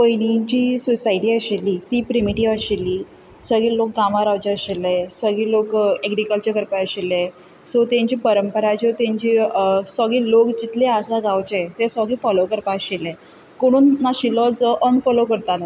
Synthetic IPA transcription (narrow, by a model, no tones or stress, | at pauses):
pəjnit͡ɕiːsusajʈiːəɕelːiːt̪iːpɾimiʈiʋəɕelːiː | səɡiːlok̚ɡamaɾaʋt͡ɕeəɕelːesəɡiːlokeɡɾikəlt͡ɕəɾkəɾpaəɕele | sɔt̪ẽɲt͡ɕiːpəɾəmpəɾat͡ɕɔt̪ẽɲt͡ɕiːsəɡiːlokd͡ʑit̪leasaɡawt͡ɕet̪esəɡiːfɔlokəɾpaɕelẽ | koɽ̃uːnːaɕilɔt͡sɔʔənfɔlokəɾt̪ala